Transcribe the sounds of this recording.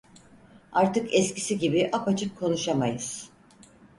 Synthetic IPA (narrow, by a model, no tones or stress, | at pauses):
aɾt̪ɯkʰɛsci̥siɟibiʔapat͡ʃʰɯkʰːo̞nuʃamajɯz̥